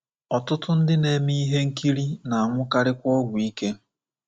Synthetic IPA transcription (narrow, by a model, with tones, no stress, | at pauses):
ɔ˨tʊ˦tʊ˦n̩˦dɪ˦ne˨mi˦i˦ɦe˦ŋ̩˦ki˦ɾi˦na˨a˨ŋʷʊ˦ka˦ɾɪ˦kʷɔ˦ɡʷʊ˨i˦ke˦